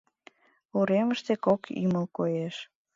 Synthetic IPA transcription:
uɾeməʃt̪ekoky̰məlkojeʃ

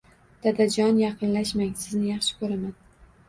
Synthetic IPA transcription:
d̪̥ad̪ad͡ʒɒnjɑqʰɨnlaʃmaŋsɪznɪjɑχʃɪ̥kʰɵɾaman

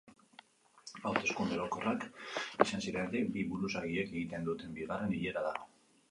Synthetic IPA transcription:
awt̪e̞skund̪eɾoko̞rakesansiɾenɾebiβuɾusaɣieke̞ɣit̪e̞nd̪ut̪e̞mbiɣ̞are̞niʎe̞ɾaða

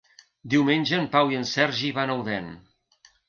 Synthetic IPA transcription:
d̪iwmenʲʒəːmpawiənsɛɾʒiβanəwðɛn

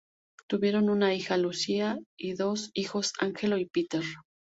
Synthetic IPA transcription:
t̪uβje̞ɾonunaixalusiaiðosixosa̰ŋxeloipit̪eɾ

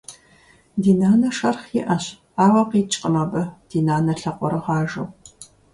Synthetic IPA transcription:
diːnaːnɐʂɐrχiʔɐɕ | aːwɐqiːt͡ʃʼqʼəmɐbɐd̥iːnaːnɐɬɐqʷɔɾɐʁɑːʒɐw

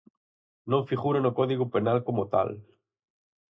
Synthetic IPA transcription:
nõŋfiɣuɾenokoðiɣupenalkomot̪a̰l

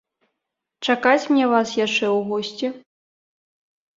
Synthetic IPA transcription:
t͡ʂakat͡sʲmnʲɛvasjaʂt͡ʂɛwɣɔsʲt͡sʲɛ

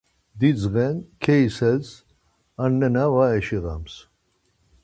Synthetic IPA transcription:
d̪id͡zɣɛnkʰɛisɛz | anːɛnavaɛʃiɣa̰ms

